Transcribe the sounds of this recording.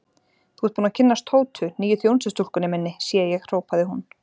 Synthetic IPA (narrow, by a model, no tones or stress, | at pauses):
θuːɛɾ̥t̪puːnacʰɪnːast̪ʰoːwt̪ʰʏniːjʏθjownsɪst̪ul̥kʏnɪmɪnːɪsjɛjɛɣr̥oːwpaðɪɦun